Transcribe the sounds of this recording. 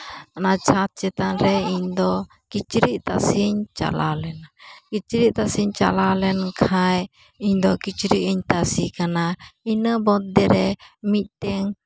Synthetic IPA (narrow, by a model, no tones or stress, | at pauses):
anat͡ʃʰat̪̚t͡ʃɛt̪anɾɛiɲd̪ɔ | kit͡ʃɾiʔt̪a̰siɲt͡ʃa̰lalɛnakit͡ʃɾiʔ̚t̪asiɲt͡ʃa̰lalɛnkʰaj | iɲd̪ɔkit͡ʃɾiʔiɲt̪asikanainəbɔt̪̚ːɛɾɛmit̪̚ˀʈɛŋ